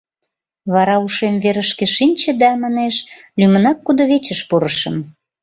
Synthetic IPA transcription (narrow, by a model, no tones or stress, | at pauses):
βɑɾɑuʃemveɾəʃkeʃinʲt͡ɕə̆d̪ɑmɑneʃ | lymənɑkːud̪oβet͡ɕəʃpuɾəʃə̆m